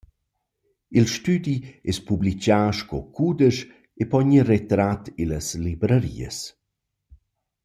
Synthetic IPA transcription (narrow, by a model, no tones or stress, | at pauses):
ilʃtyd̪iɛspublit͡ʃaːʃkɔkʰud̪əʃ | epɔɲiret̪ɾat̪iləslibɾəɾḭə̰s